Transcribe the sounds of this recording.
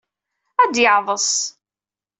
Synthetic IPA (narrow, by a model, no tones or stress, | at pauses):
æd̪jəʕðˤəsˤ